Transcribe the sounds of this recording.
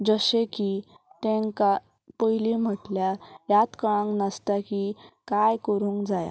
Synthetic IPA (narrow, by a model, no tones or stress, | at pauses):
d͡zəsẽki | t̪ẽŋka | pəɦilim̤əʈljajat̪kəɭãŋɡnəst̪akikajkəɾũːŋkd͡zaja̰